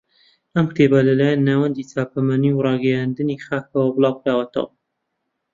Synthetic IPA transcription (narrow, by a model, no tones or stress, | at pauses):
ɐmkt̪ʰebalɐlaːjanːaːwɐnd̪iːt͡saːpʰɐmaniwrˤɑːɡɐjand̪ɨnixaːk̚ɐwɐbɨlˠɑːwkɾaːwɐt̪ʰɐ̰wɐ